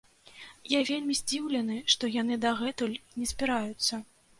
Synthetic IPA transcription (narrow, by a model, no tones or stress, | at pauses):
javʲelʲmʲizʲd͡zʲiwlʲɛnɨʂt̪ɔjanɨd̪ɐɣɛt̪ulʲnʲɛsʲbʲiɾajut̪sːɐ